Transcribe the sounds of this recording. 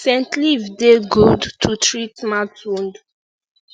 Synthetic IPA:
sɛ̃ntlivdeɡudtʰutɹitmatũnd

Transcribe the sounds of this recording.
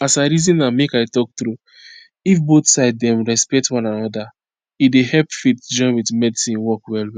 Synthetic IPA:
asaɾizĩnːamekaɪtɔk̚tɾu | ifboθsaɪddɛ̃mɹɛspɛk̚twɔ̃nãnɔda | idehɛlpfitd͡ʒɔ̃ɪ̃nwidmɛdisĩnwɔkwɛlwi

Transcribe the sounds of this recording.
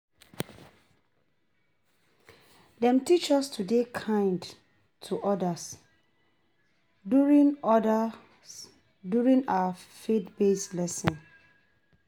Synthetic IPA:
dɛ̃mtit͡ʃɔstʰudekʰãɪ̃nd | tʰuʔɔdəs | uɹĩnd | duɹĩŋaafetbeslɛsɔ̃n

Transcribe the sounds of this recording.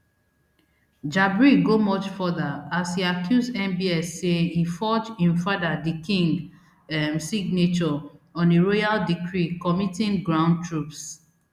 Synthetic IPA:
d͡ʒabɹiɡomɔt͡ʃfɔðaashiakʰjuzdɛ̃mbiɛsːeifɔt͡ʃĩɱfadadikĩŋɡ | msiɡ̚net͡ʃɔɔ̃neɹojaldikʰɹikɔmitĩnɡɹãʊ̃n̚tʰɹups

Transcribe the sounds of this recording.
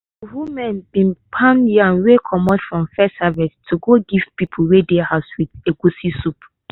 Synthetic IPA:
wumɛ̃nbĩnpʰãniãnwekʰɔmɔtfɹɔ̃mfɛsavistʰuɡoɡivpipʰulwedehaʊswideɡusisup

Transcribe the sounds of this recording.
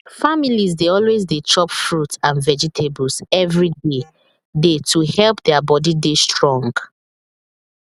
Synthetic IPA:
familizdeɔlwezdetʰɹɔpfɹutãnvɛd͡ʒitʰebɔlsɛvɹide | detʰuhɛlpðɛabɔdidestɹɔ̃ŋɡ

